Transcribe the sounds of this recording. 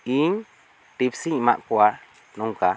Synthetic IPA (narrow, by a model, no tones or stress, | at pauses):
i | t̪ibsiimã̰ʔkua | nũŋka